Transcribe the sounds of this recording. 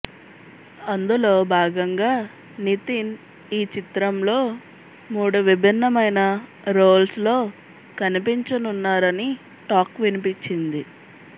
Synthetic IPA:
ɐnd̪ulo̞ːbʱaːɡɐŋɡaː | nit̪in | iːt͡ʃit̪ɾɐmlo̞ː | muːɽuʋibʱinːɐmɐjnɐ | ɾoːlslo̞ː | kɐnipiɲt͡ʃɐnunːaːɾɐni | ʈaːkʋinipit͡ʃind̪i

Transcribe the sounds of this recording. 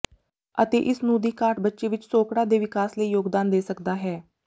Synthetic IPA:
ət̪ḛːʔɪsnũːd̪iːkaːʈbətːʃeːʋɪt͡ʃsoːkɽãːd̪eːʋɪkaːsləiːjoːɡd̪aːnd̪eːsəkd̪aːɦɛː

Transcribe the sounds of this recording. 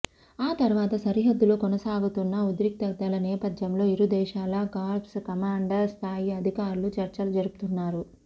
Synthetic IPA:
aːt̪ɐɾuʋaːt̪ɐsɐɾiɦɐd̪ːulo̞ːkɔnɐsaːɡut̪unːɐud̪iɾik̚t̪ɐd̪ɐlɐnɛːpɐd̪jɐmlo̞ːiɾud̪ɛːʃaːlɐɡaːlpskɐmaːɳɖɐɾst̪ʰaːjiɐd̪ʱikaːɾulut͡ʃɐɾt͡ʃɐlɐd͡ʒɐɾuku̥t̪unːaːɾu

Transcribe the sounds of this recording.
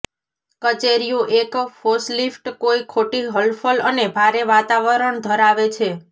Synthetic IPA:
kət͡ʃeɾijũʔekfoslifʈkoikʰoʈiɦəlfʰələnebʱaɾeʋat̪aʋəɾəɳd̪ʱəɾaʋet͡ʃʰe

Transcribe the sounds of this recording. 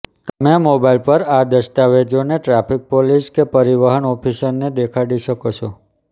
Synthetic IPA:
t̪əmemobailpəɾad̪əʃt̪aʋed͡ʒoneʈɾapʰik̚poliskepəɾiʋaɦəɳɔpʰiʃənːed̪ekʰaɽiʃəkot͡ʃʰo

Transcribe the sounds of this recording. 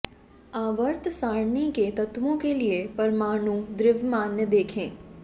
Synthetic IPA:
aːʋəɾt̪saːɽniket̪ɐt̪wõkeliepɐɾmaːɽ̃ũd̪ɾɪʋmaːnjəd̪eːkʰẽː

